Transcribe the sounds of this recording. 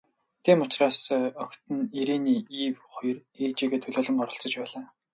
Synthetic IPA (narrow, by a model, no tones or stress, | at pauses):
t̪ʰiːmʊt͡ɕraːsɔkt̪ə̆niɾeːniːiːwχɔjɞ̆riːt͡ɕiːɣeːt̪ʰɵɮoːɮ̆ŋɢɔɾə̆ɬt͡sɞ̆t͡ɕpæːɮaː